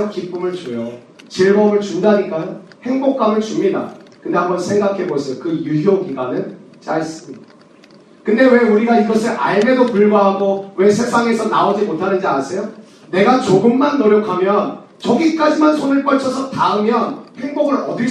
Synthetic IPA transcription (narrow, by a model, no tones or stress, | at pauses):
ʌkip͈umɯɭt͡ɕojo | t͡ɕiɭmʌmɯɭt͡ɕundaɦɲik͈ajohe̞ŋbok̚k͈amɯɭt͡ɕumɲida̰kɯnde̞hambʌnsʰe̞ŋɡakʰe̞bosʰʌjokɯjuɦiokiɡanɯn | t͡ɕaes͈ɯmɲida | kɯnde̞we̞uɾiɡaiɡʌsʰɯʔaɭme̞dokɯɭbaɦaɡowe̞sʰe̞sʰaŋe̞sʰʌnaod͡ʑimotʰanɯnd͡ʑiansʰe̞jo | ne̞ɡat͡ɕoɡɯmːanːoɾjʌkʰamjʌn | t͡ɕʌɡik͈ad͡ʑimansʰonɯɭp͈ʌɭt͡ɕʰʌsʰʌtaɯmjʌnhe̞ŋboɡɯɾʌ̰di